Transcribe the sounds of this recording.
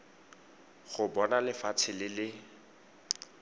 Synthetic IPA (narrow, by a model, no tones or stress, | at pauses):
χʊbɔnalɪfat͡sʰɪlɪlɪ